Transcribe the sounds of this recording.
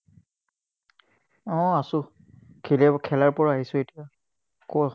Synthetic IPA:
ɔ̃asʊ | kʰilɛkʰɛlaɹpɔɹaɦisʊ̃etija | kɔɔ

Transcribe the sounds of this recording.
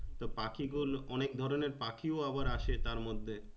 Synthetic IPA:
t̪opakiɡulɔnek̚d̪ʱɔɾoneɾpakioaβaɾaʃet̪aɾmod̪ʱːe

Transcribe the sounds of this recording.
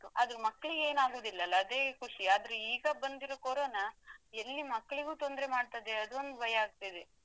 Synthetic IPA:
uɐd̪ɐɾumɐkːɐɭiɡeːnaːɡoːd̪ilːɐlːɐːd̪e̞ːkʰuʂiaːd̪ɐɾeiːɡɐbɐnd̪iɾokoɾoːnɐelːimɐkːɐɭiɡuːt̪o̞nd̪ɾemaːɖ̚t̪ɐd̪eɐd̪uond̪ubʱɐjɐaːɡ̚t̪ajid̪e

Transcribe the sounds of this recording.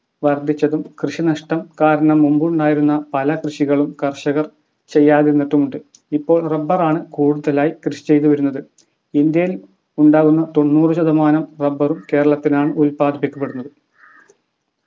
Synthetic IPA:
ʋɐrd̪ʱit͡ɕːɐðumkrɨʂinɐʂʈɐmkaːɾɐɳɐmːumbuɳɖaːjiɾunːɐpɐlɐkrɨʂiɣɐɭumkɐrɕɐɣɐr | t͡ɕe̞jːaːðinːeʈːumuɳɖɨ | ipːo̞ːɭrɐbːɐraːɳɨkuːɽuðɐlaːjikrɨʂi̥t͡ɕe̞jt̪̬uʋɐɾunːɐðɨ | ind̪jɐjil | uɳɖaːɣunːɐt̪o̞nːuːrɨɕɐðɐmaːnɐmrɐbːɐrumke̞ːɾɐɭɐt̪ːinaːɳɨulpaːd̪ipikʲːɐpːeɽunːɐðɨ

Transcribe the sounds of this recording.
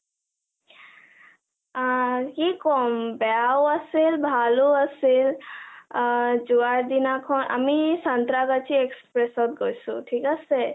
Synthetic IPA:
kikɔmbeawəsilbʱaluəsil | d͡ʒuaɾd̪inakʰɔnʔə̰misənt̪ɾaɡat͡ʃʰiekspɾesɔt̪̚ɡojsuʈʰikase

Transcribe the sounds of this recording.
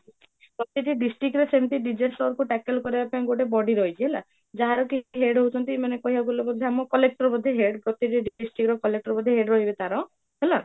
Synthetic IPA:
ɡɔt̪iʈiɖisʈɾikɾesemt̪iɖid͡ʒesʈɔɾkuʈɛkelkɔɾibapaĩɡoʈ̬ebɔɖiɾɔit͡ʃʰiɦela̰ | d͡ʒaɦaɾɔkiɦeɾɖɦowt͡ʃʰɔnt̪imanekɔɦibaɡulebɔd̪ʱːeamɔkɔlek̚ʈɔɾbɔd̪ʱeɦeɖɡɔt̪iʈiɖɖisʈɾikɾɔkɔlek̚ʈɔɾɔbɔd̪ʱeɦeɖɾɔɦibet̪aɾɔ̃ | ɦela

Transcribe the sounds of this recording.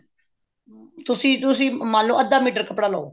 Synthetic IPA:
t̪ʊsĩːt̪ʊsĩːmãːnlõːəd̪aːmiːʈ̬əɾkəpɽaːlo̰oː

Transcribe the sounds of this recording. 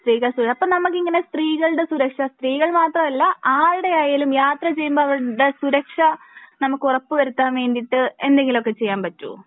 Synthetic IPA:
st̪riːɣɐɭsuɐpːoːnɐmukːiŋːɐne̞st̪riːɣɐɭɽe̞suɾɐkʂɐst̪riːɣɐɭmaːt̪rɐmɐlːɐʔaːɻɽeaːjaːlumjaːt̪rɐt͡ɕe̞jːumboːɐʋɐɻɽe̞suɾɐkʂɐ | nɐmukːurɐpːɨʋɐɾut̪ːaːnʋeːnɖiʈːɨend̪e̞ŋɡilo̞kːe̞t͡ɕe̞jːaːnpɐtːṵ

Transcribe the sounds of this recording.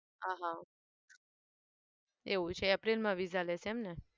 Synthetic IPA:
ãɦã | eut͡ʃʰeəpɾelmãʋiːd͡zalesɛmne

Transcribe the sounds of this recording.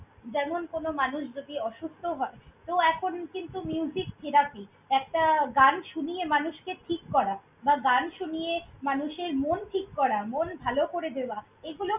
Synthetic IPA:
d͡ʑɛmonkonomanuʃd͡ʑodiɔʃust̪ʰoɦɔet̪oɛkʰonkint̪umiud͡ʑikt̪ʰiɾapi | ɛkʈaɡanʃunijemanuʃkeʈʰikːɔɾa | baɡanʃunijemanuʃeɾmonʈʰikːɔɾamonbʱalokoɾed̪ewa | eɡulo

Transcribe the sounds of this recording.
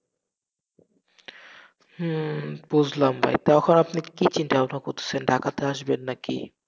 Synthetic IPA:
h̩bud͡ʑʱlambʱa̰jt̪aɔkʰonapnikit͡ɕinʈaanakot̪ʰe̥sʰenɖʱakat̪eaʃbenːakḭ

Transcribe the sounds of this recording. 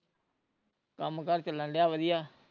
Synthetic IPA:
kəmkəɾt͡ʃələ̃nlɪjaːʋəd̪ɪjaː

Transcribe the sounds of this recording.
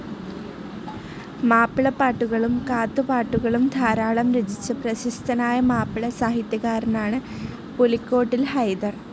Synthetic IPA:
maːpːiɭɐpːaːʈːuɣɐɭumkaːt̪ːupaːʈːuɣɐɭumd̪ʱaːɾaːɭɐmɾed͡ʑit͡ɕːɨprɐɕist̪ʰɐnaːjɐmaːpːiɭɐsaːɦit̪jɐɣaːɾɐnaːɳɨ | polikʲːo̞ːʈːilhɐjd̪ɐr

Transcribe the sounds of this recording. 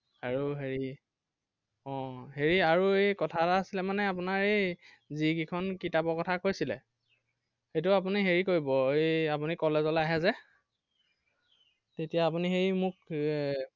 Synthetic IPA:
aɹuɦeɹi | ɔ̃ɦeɹiaɹuejkɔtʰataːsilɛmanɛap̬unaɹej | ziɡikʰɔnkitabɔkɔtʰakojsilɛ̰ | xejtʊapuniɦeɹikoɹibɔejap̬unikɔlezɔlaɦɛzɛ | tetijaːpunixejmʊk̚

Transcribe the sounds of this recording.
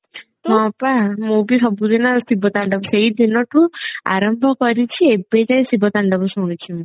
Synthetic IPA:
t̪ɦɔ̃pamubisɔbud̪ʱinɔsibʱɔt̪aɳɖɔbseid̪ʱinɔʈũa̰ɾɔmbʱɔkɔɾit͡ʃʰiebed͡ʒaj̃sibʱɔt̪aɳɖɔbɔsuɽ̃it͡ʃʰim

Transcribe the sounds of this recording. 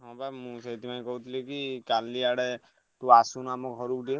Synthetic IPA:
ɔ̃pamũset̪imanĩkɔɦut̪ʰilekikalːiaɽɛ | t̪uasunamɔkɦɔɾukdie

